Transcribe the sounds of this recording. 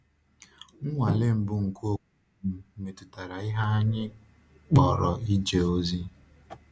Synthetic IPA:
ŋ̩˦ŋʷa˨le˦m̩˨bʊ˦ŋ̩˨ko˦˨ku˦m̩˦me˨tʊ˨ta˨ɾa˨ɪ˦ɦa˦a˦ɲɪ˦ | k͡pɔ˨ɾɔ˨i˦d͡ʒe˨o˦zi˦

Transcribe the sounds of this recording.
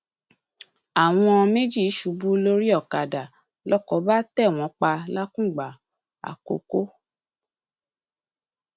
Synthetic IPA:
a˨w̃ɔ̃˧me˦d͡ʒi˦˨˦ʃu˨˦bu˦lo˦ɾi˦ɔ˦˨ka˨da˨ | lɔ˦kɔ˨˦ba˦tɛ˦˨w̃ɔ̃˨˦k͡pa˧la˦kũ˦˨ɡ͡ba˨ | a̰˨ko̰˧˦ko˦

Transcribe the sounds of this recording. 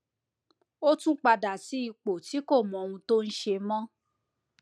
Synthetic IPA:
o˦tũ˦k͡pa˧da˨ti˨˦i˧k͡po˨ti˨˦ko˦˨mɔ̃˨o˧ũ˧to˦n̩˦ʃe˧mɔ̃˦

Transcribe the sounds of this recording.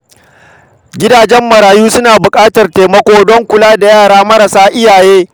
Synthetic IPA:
ɡʲɪ˦daː˨d͡ʒɛ˦mːɐ˨ɾaː˨juː˦sʊ˦naː˨bʊ˨kʼaː˦tɐ˨rteː˨mɐ˦kʷoː˦dɔ˦ŋkʷʊ˨laː˦da˨jaː˦˨ɽaː˦mɐ˦ɾɐ˨saː˦ʔɪ˦jaː˨jeː˦

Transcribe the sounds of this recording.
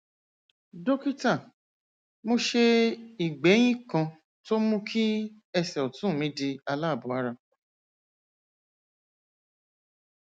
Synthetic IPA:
do˦ki˦ta˦˨ | mo˧ʃe˧i˨ɡ͡bɛ˨˦j̃ĩ˦kã˧ | to˦mũ˦kʰi˦ | ɛ˧sɛ˨ɔ˨tũ˨˦˨mĩ˨˦di˧a˧la˦˨bu˨˦a˦ɾa˧

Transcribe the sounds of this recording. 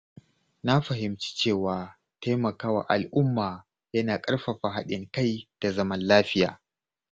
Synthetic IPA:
na˦ɸɐ˨ɦɪ˨mt͡ʃi̥˦t͡ʃeː˦˨waː˨ | ta˦jmɐ˨kaː˦wa̰˨ʔa˨lʔʊ˦mːaː˨ | jɐ˦naː˨kʼɐ˦ɽɸa˨ɸa˨ɦa˦ɗɪ˨ŋka˦˨jd̥a˨zɐ˦mɐ˦nlaː˦ɸɪ˦ja̰ː˨

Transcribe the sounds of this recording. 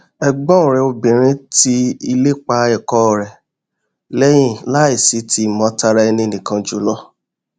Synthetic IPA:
ɛ˧ɡ͡bɔ̃˦ũ˨ɾɛ˧o˧bĩ˨ɾ̃ĩ˦ti˦i˧le˦k͡pa˦˧ɛ˨kɔ˦˨ɾɛ˨ | lɛ˦j̃ĩ˦˨la˦i˦˨si˨˦ti˧˦˨mɔ̃˧˦ta˧ɾa˧ɛ˧nĩ˧e˧nĩ˨kã˧d͡ʒu˨˦lɔ˦

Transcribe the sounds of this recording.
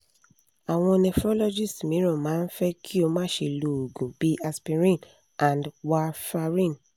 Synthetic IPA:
a˨w̃ɔ̃˧nɛ˧fɾɔ˦lɔ˦d͡ʒi˦˨stmĩ˨˦ɾɔ̃˦˨mãː˨˦n̩˦fɛ˦kʰi˦o˧mãː˦˨ʃe˧˨lo˧o˨ɡũ˨b̥i˨˦ʔa˧spi˧ɾĩ˦˨n | ã˨ndwa˧fa˧ɾĩ˦˨n

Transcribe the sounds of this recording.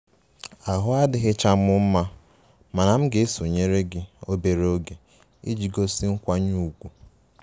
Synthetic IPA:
a˨ɦʊ˦a˦dɪ˦ɣɪ˦t͡ʃa˦m̩˦ʊ˦m̩˦ma˦ | ma˨na˨m̩˦ɡe˨˦e˦so˨ɲe˦ɾe˦ɡɪ˦o˦be˨ɾo˦ɡe˨ | ḭ˦d͡ʒi˨ɡo˦si˦ŋ̩˦kʷa˦ɲu˦˨ɡʷu˨

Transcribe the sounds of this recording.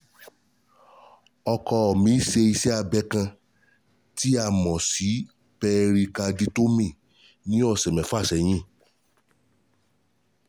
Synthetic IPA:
ɔ˧kɔ˧ɔ˨mĩ˨˦ʃe˧i˧sɛ˦a˧bɛ˨˦kã˧ | ti˦a˦˨mɔ̃˨si˨˦ | pɛ˧ɾi˧ka˧di˦to˦mĩ˦˨ | nĩ˦ɔ˦˨sɛ˨mɛ̃˨fa˦˨sɛ˨j̃ĩ˦˨

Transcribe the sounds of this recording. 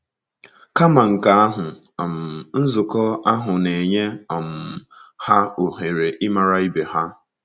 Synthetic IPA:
ka˦ma˨ŋ̩˨ka˨a˦ɦʊ˨ | m̩˨n̩˦zʊ˨kɔ˦a˦ɦʊ˨ne˨ɲe˦ɔ˨m̩˨ | ha˦o˨ɦe˨ɾe˨ʔɪ˦ma˨ɾa˦i˦be˨ha˦

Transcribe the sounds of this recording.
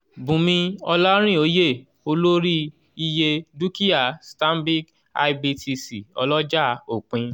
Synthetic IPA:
bũ˨mĩ˧ɔ˧lɔ˦ɾ̃ĩ˦˨o˨˦je˦˨ | o˧lo˦ɾi˦ | i˧je˧du˦ki˦a˦˨stã˦m˦bi˦k | a̰˧i˦bi˧tʰi˧si˨ɔ̰˧lɔ˦d͡ʒa˦˨o˨k͡pĩ˧

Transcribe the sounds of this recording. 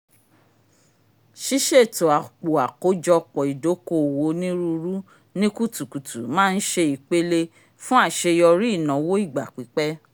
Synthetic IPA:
ʃi˦ʃe˦˨to˨a˨k͡po˨a˨ko˨˦d͡ʒɔ˧k͡pɔ˨i˨do˨˦ko˦˨wo˧˦nĩ˦ɾu˧ɾu˦ | nĩ˦ku˦˨tu˨ku˨tu˨mãː˦˧n̩˦ʃe˧i˨k͡pe˦le˧ | fũ˦a˦˨ʃe˧jɔ˧ɾi˦i˦˨nã˨˦wo˦i˦˨ɡ͡ba̰˨k͡pi˨˦k͡pɛ˦

